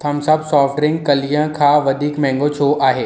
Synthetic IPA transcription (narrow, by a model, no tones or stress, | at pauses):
t̪ʰɐmsɐbsɔːfʈɾɪ̃ŋɡ̚kɐlijə̃kʰãːʋɐd̪ʱiːkmɛ̃ːŋɡot͡ɕʰoʔaːɦeː